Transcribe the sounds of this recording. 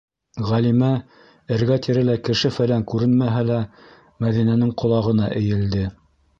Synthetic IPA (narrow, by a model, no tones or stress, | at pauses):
ʁælimæ | ɘ̆ɾɡæt̪iɾɘlækɘ̆ʃɘfælæŋkʉɾɘnmæɦælæ | mæðinænɘŋqʰŏlˠɑʁɤ̆nɑʔɘ̆jɘ̆ld̪ɘ